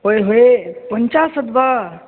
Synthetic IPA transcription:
ɦojɦoepəɲt͡ʃasəd̪ba

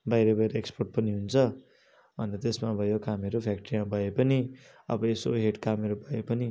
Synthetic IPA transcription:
bajɾʌbʌjɾʌeksporʈ̚pʌniɦunt͡sʰʌ | bʌnʌt̪esmabʱʌjokameɾopʰjak̚ʈʌrimabʱʌjepʌni | ʌ̰bʌeso̰ɦeʈkameɾobʱʌjepʌni

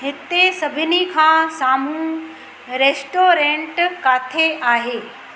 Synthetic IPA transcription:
ɦɪt̪esɐbʱɪnikʰãːsaːmũ | ɾeːsʈoːɾẽɳʈkaːt̪ʰeʔaːɦeː

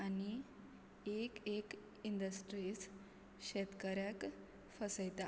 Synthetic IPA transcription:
ani | ekek | ind̪əsʈɾis | ɕet̪kəɾjak | fəsəjt̪a

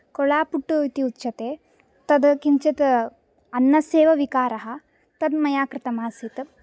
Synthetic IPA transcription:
kɔɭaːpuʈːuit̪iut̪ːt͡ʃɐt̪eː | t̪ɐd̪kiɲt͡ʃɐt̪ | ɐnːɐseːʋɐʋikaːɾɐɦɐ̆ | t̪ɐd̪mɐjaːkɾɪt̪ɐmaːsit̪

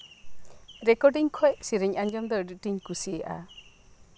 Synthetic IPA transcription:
ɾɛkɔɖiɲkʰɔjsiɾiɲaɲd͡ʒɔmd̪ɔɖiʔ̚ʈiɲkusiɛʔa̰

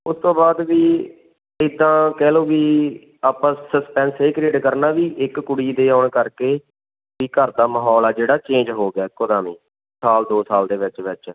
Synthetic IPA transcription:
ʊst̪õːbaːd̪ʋiː | ɪd̪ːãːkɛːloːʋiː | aːpãːsəspɛ̃ːnseːkɾeːɖkəɾnaːʋiːʔɪkːʊɽiːd̪eːaːɳkəɾkeː | ʋiːkəɾd̪aːməɦɔːlɛːd͡ʒeːɽaːt͡ʃẽːnd͡ʒɦoːɡaːkod̪aːmiː | saːld̪oːsaːld̪eːʋɪt͡ʃʋɪt͡ʃ

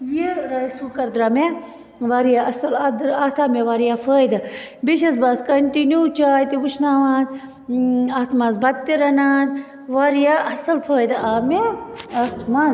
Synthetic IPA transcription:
jiɾaːjsukɐɾd̪ɾame | ʋaːɾijaɐsɐlɐd̪ɾɐt̪ʰaːmeʋaːɾijafʰəːjd̪ɨbiʃ̬ɐsbaːt̪kɐɳʈinjut͡ʃaːjt̪iʋuʃnaːʋãːt̪ | ɐt̪ʰmaːzbɐd̪̚t̪iɾɐnaːn | ʋaːɾijaɐsɐlpʰəːjd̪aːmeɐt̪ʰmãːz

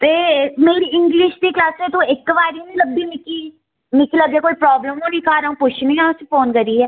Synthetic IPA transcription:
t̪eːmeːɾiɪ̃ŋɡlɪʃd̪iːklaːsɛt̪õːɪkʋaːɾinĩləbːimɪkːi | mɪkːiləbɛːkoːipɾɔːbləmõːnĩkʰaːɾaũːpʊt͡ʃʰnĩɦãʊsefoːnkəɾiɦɛː

